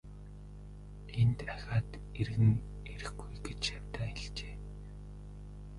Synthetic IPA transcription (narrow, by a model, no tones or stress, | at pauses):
ent̪axʲaːt̪ | erɣɘ̆ŋ | eɾɘ̆xɡujɡet͡ɕjawʲt̪aːɪɮt͡ɕeː